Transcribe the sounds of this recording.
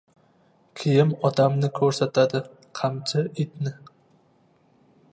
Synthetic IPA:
kʲʰejɪmɒd̪amnɪkʰɵɾsat̪ʰad̪ɪ | qʰamt͡ʃʰɪɪt̪nɪ

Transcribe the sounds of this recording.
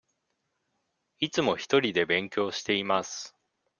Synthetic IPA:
it͡sɨmo̞çi̥t̪o̞ɾʲid̪e̞bẽ̞ŋkʲo̞ːɕi̥t̪e̞imasɨ̥

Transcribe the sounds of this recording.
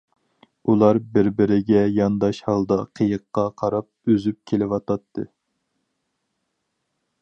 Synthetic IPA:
ulˠɑɾbɪɾbɪɾɪɡʲɛjɑnd̪ɑʃhɑlˠd̪ɑqʰəjəqːɑqʰɑɾɑp̚øzyp̚kʲʰelɪwɑt̪ɑt̪ʰːɨ̰

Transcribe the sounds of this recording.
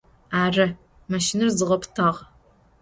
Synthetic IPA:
aːrɨ | maʃɪnɨrzɨʁɐpʰtʰaʁ

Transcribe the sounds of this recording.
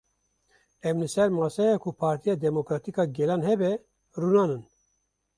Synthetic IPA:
ɛmlɨsɛɾmɑːsɑjɑːkʰupʰɑːɾt̪ʰijɑːd̪ɛmokɾɑːt̪ikɑːɡɛlɑːnhɛbɛ | runɑːnɨn

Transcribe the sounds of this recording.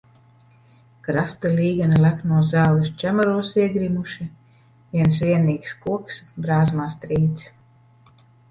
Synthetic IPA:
kɾast̪alʲiːɡanalʲæknuɔzæːlˠusʲt͡ʃæmaɾuɔsiɛɡɾimuʃi | vʲiɛns̬viɛniːkskuɔksbɾaːzmaːst̪ɾiːt̪s

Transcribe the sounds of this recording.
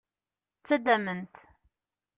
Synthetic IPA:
t͡sːæd̪æmənt̪

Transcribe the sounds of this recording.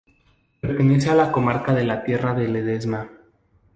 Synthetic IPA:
peɾt̪e̞nes̬ealako̞maɾkaðe̞lat̪je̞raðe̞leðezma

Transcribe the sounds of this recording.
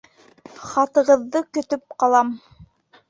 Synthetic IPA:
χɑt̪ɤ̆ʁɤ̆ðːɤkɵ̆t̪ɵp̚qɑlˠɑm

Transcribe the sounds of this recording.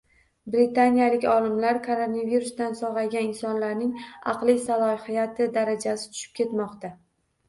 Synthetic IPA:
bɾɪt̪ʰanijalɪkʲɒlɪmlaɾkʰoɾonaviɾʊsd̪ansɒʁaɡʲanɪnsɒnlaɾnɪŋɑ̰qlˠisalˠɒχijat̪ʰɪd̪aɾad͡ʒasɪ̥t̪ʰʊ̥ʃɪ̥p̚kʲʰe̞t̪mɒqt̪a

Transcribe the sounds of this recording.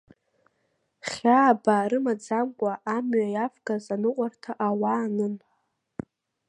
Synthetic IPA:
χʲaːbaɾɨmad͡zamkʷʼaʔamɥajafɡazanɨqʷʼartʰaʔawaːnɨn

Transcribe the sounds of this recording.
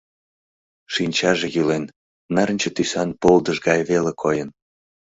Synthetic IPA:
ʃinʲt͡ɕɑʒĕjylen | nɑɾənʲt͡ɕet̪ysɑnpold̪əʒɣɑjβelekʰojən

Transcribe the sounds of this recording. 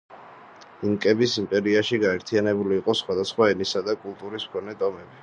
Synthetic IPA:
iŋkʼɛbisimpʼɛɾiaʃiɡaɛɾt̪ʰianɛbuliːqʼɔsχwad̪asχwaɛnisad̪akʼulˠt̪ʼuɾismkʰɔnɛt̪ʼɔmɛbi

